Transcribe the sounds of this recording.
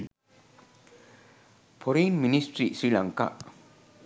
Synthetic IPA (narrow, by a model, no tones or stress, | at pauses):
pʰɔɾenministɹisɹilaŋka̰ʔ